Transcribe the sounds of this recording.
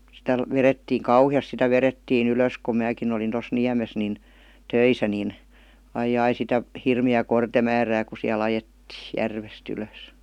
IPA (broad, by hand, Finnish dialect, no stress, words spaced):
sitæ ʋeretːiːŋ kɑuhiɑs sitæ ʋeretːiːn yløˑs ku mæːkin olin tos niæmes nin tøisæ nin ɑijˑɑi sitæ hirmiæː kortemæːræː ku siæl ɑjetːiː jærʋest yløˑs